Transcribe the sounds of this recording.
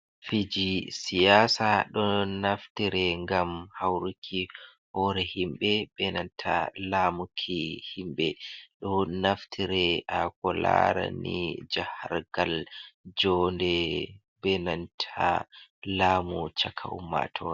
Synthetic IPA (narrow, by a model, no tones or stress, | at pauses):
fid͡ʒisijaːsaɗɔnaftiɾɛŋɡamhawɾukʰːi | hɔɾɛhimɓɛbɛnantʰalaːmukʰihimɓɛɗɔnaftʰiɾɛʔakɔla̰ɾa̰nid͡ʒahaɾɡ̥ald͡ʒɔndɛ | bɛnantʰalaːmut͡ʃakʰa̰ṵmːa̰tʰɔɾ